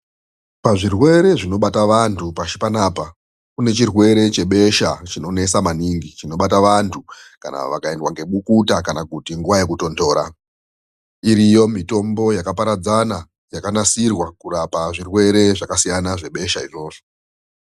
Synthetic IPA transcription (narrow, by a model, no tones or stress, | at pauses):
paʐirwe̞ɾe̞ʐino̞ɓataʋantʰupaʃi̥panaːpa | kune̞t͡ʃirwe̞ɾe̞t͡ʃe̞ɓe̞ʃat͡ʃino̞ne̞samaniŋɡit͡ʃino̞ɓataʋantʰuka̰na̰ʋa̰kae̞ndwaŋɡe̞ɓukutakanakutiŋɡuʋaje̞kuto̞ndo̞ːɾa̰ | iɾijo̞mito̞mbo̞jakapaɾad͡zana | jakanasirwakuɾapaʐirwe̞ɾe̞ʐakasijanaʐe̞ɓe̞ʃaiʐo̞ːʐo